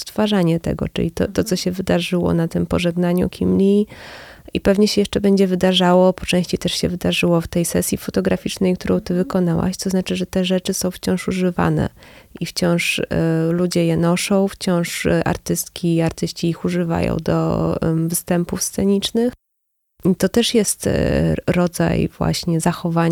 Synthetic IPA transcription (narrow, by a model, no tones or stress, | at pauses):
st̪faʐaɲɛt̪ɛ̰ɡɔ̰t͡ʂɘ̰lʲit̪ɔ̰t̪ɔt̪sɔɕɛvɘd̪aʐɘwɔ̰nat̪ɘmpɔʐɛɡnaɲṵkʲʰḭmlʲi | ipɛvɲɛɕɛjɛʂt͡ʂɛbɛɲd͡ʑɛvɘd̪aʐawɔpɔ̥t͡ʂɛ̃w̃ɕt͡ɕejt̪ɛʂɕɛvɘd̪aʐɘwɔft̪ɛjsɛsʲjifɔt̪ɔɡɾafʲit͡ʂnɛjkt̪uɾɔ̃w̃t̪ɘvɘkɔn̪awa̰ɕt̪sɔznat͡ʂɘʐɛt̪ɛʐɛt͡ʂɘsɔ̃w̃ft͡ɕɔ̃w̃ʂuʐɘva̰nɛ̰ʔift͡ɕɔ̃w̃ʂlud͡ʑɛjɛnɔʂɔ̃w̃ft͡ɕɔ̃w̃ʂʔa̰ɾt̪ɘst̪kʲʰiaɾt̪ɘɕt͡ɕiixuʐɘva̰jɔ̰̃w̃d̪ɔ̰vst̪ɛmpufst̪sɛɲit͡ʂnɘx | it̪ɔt̪ɛʂjɛst̪ɾɔd̪za̰jvwa̰ɕɲɛzaxɔvaɲ